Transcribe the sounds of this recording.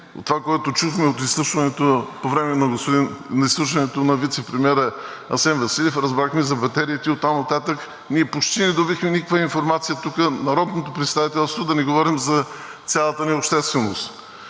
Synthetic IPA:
o̰t̪ːovakoɛt̪ot͡ʃuxmɛot̪islˠuʃvɐnɛt̪opovɾɛmɛnɐɡosp̪inɐislˠuʃvɐnɛt̪onɐvit̪sɛpɾɛmʲiɛɾə | ɐ̰sɛnvɐsilʲɛfɾɐzbɾaxmizɐbɐt̪ɛɾiit̪iot̪ːamnɐt̪at̪ək | niɛpot͡ʃt̪inɛd̪obixmɛnikəkvəinfoɾmat̪sijət̪ukənɐɾɔd̪not̪opɾɛt̪st̪avit̪ɛlˠst̪vod̪ɐniɡovɔɾimzɐt̪sʲjalˠət̪ənɛopʃt̪ɛst̪vɛnost̪

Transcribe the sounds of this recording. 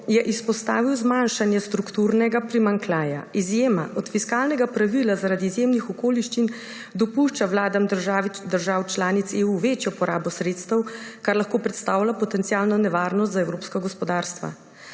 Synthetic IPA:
jɛʔispɔst̪aːʋiwzmanʃanjɛst̪ɾukt̪uːɾnɛɡapɾimaŋklaːja̰izjeːmaʔɔt̪fiskaːlnɛɡapɾaʋilazaɾaːd̪izjeːmnixɔkoːliʃt͡ʃin | d̪ɔpuʃt͡ʃawlaːd̪amd̪əɾʒaːwt͡ʃlaːnit̪seːuʋet͡ʃjɔpɔɾaːbɔsɾet̪st̪əwkaɾlaxkoːpɾɛt̪st̪aːwlʲapɔt̪ɛnt̪sijaːlnɔnɛʋaːɾnɔst̪zaɛwɾoːpskaɡɔspɔd̪aːɾst̪ʋa̰

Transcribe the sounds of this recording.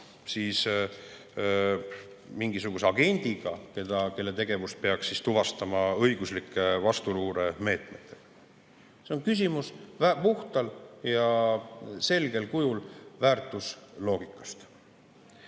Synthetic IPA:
siːs | miŋɡisuɡ̥use̞ɑɡe̞nʲd̪̥iɡ̥ɑke̞d̪̥ɑke̞lːe̞t̪e̞ɡ̥e̞vust̪peɑksːist̪uvɑst̪ɑmɑɤjɡ̥uslikːˑe̞vɑst̪uluːɾeme̞ːt̪me̞t̪ːˑe̥ | se̞o̞nkys̬ʲimuspuht̪ɑljɑ | se̞lɡe̞lkujulvæːrt̪ːˑuslo̞ːɡ̥ikːˑɑ̥st̪

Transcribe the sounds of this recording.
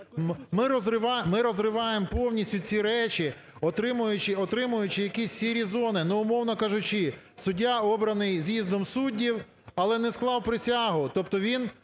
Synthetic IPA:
mɪɾɔzɾɪʋɑmɪɾɔzrɪʋɑjempɔwnʲisʲtʲʊt͡sʲiɾɛt͡ʃi | ɔt̪ɾɪmʊjʊt͡ʃɪɔt̪ɾɪmʊjʊt͡ʃɪjɐkʲisʲsʲiɾʲizɔnɪnɛʊmɔwnɔkɑʒʊt͡ʃɪ | sʊdʲːaɔbɾɐnɪjzʲjizd̪ɔmsudʲːiw | ɐlˠɛnɛsklˠɑwpɾɪsʲaɦʊt̪ɔpt̪ɔʋʲin

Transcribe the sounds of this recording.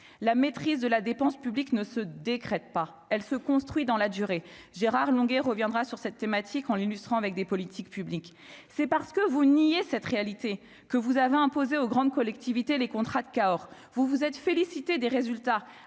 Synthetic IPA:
lamet̪χizd̪əlad̪epɑ̃spybliknəsəd̪ekχɛt̪̚pa | ɛlsəkɔ̃st̪χɥid̪ɑ̃lad̪yʁe | ʒeʁaʁlɔ̃ɡɛʁəvjɛ̃d̪ʁasyʁsɛt̪ːemat̪ʰikɑ̃lilyst̪χɑ̃avɛk̚d̪epɔlit̪ʰik̚pyblik | sɛpaʁsə̥kəvunijesɛt̪χealit̪e | kəvuzaveɛ̃pozeoɡʁɑ̃d̪̚kɔlɛk̚t̪ʰivit̪elekɔ̃t̪χad̪əkaɔʁ | vuvuzɛt̪felisit̪ed̪eʁezylt̪a

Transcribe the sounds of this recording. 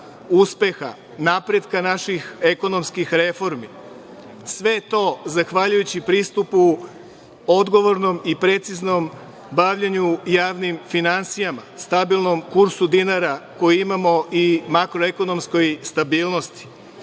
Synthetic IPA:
uspe̞xa̰ | napɾe̞d̪kanaʃixe̞ko̞no̞mskixɾe̞fo̞ɾmi | sʋe̞t̪o̞zaxʋaʎujut͡ɕipɾiːst̪upu | o̞d̪ɡo̞ʋo̞ɾno̞mipɾe̞t̪sizno̞m | baʋʎeɲujaːʋnimfinansijamast̪abilˠno̞mkuɾsud̪inaɾako̞jiimamo̞ʔimakɾoe̞ko̞no̞msko̞jst̪abiːlˠno̞st̪i̥

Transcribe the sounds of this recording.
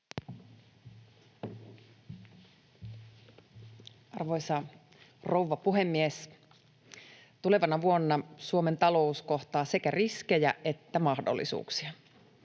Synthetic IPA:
ɑrʋoisɑ | rouʋːɑpuɦemːies | t̪ule̞ʋɑnɑʋuonːɑsuoment̪ɑlo̞usko̞ht̪ɑːse̞kæriskejæe̞t̪ːæmɑhdo̰lːḭsṵːksiɑ

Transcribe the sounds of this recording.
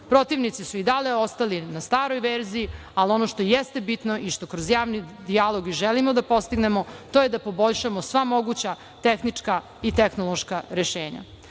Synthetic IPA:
pɾo̞t̪iʋnit̪sisuid̪aleo̞st̪alinast̪aːɾo̞jʋeɾziji | alio̞noʃt̪ojest̪e̞bit̪no̞ʔiʃt̪o̞kɾozjaːʋnid̪ialˠo̞ɡiʒelimod̪apo̞st̪iɡne̞mo̞t̪ojed̪apo̞bo̞ʎʃamosʋamo̞ɡut͡ɕa | t̪exnit͡ʂka | it̪exnolˠoʃkaɾeʃeːɲa̰

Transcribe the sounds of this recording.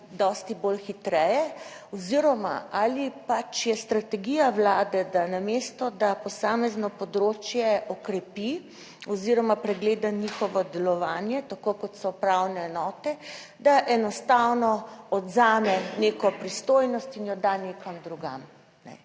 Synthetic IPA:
d̪ɔst̪ibolxit̪ɾɛjɛ | ɔziɾɔma̰ʔalipat͡ʃjɛst̪ɾat̪ɛɡijawlaːd̪ɛd̪anamest̪ɔd̪apɔsaːmɛznɔpɔd̪ɾoːt͡ʃjɛʔɔkɾɛpi | ɔziɾɔmapɾɛɡleːd̪aɲixɔʋɔd̪ɛlɔʋaːnjɛt̪akokɔt̪sɔpɾawnɛːnɔːt̪ɛd̪aʔɛnɔst̪awnɔɔd̪zaːmɛnekɔpɾist̪ojnɔst̪injɔd̪anekamd̪ɾuɡa̰m | nɛ̰

